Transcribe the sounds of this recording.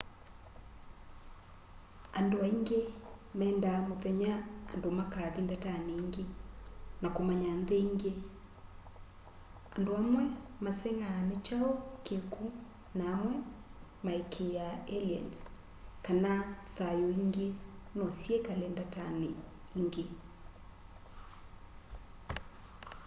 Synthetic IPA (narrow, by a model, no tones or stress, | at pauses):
andoaiŋɡemɛːndamoθɛɲa̰ːndomakaðindataneiŋɡenakomaɲanðɛiŋɡe | andoamwɛmasɛŋaːnet͡ʃaokeku | naːmwɛ | maekʰejaeliɛ̰ns | kanaθajoiŋɡenɔsjɛkalɛndatane | iŋɡe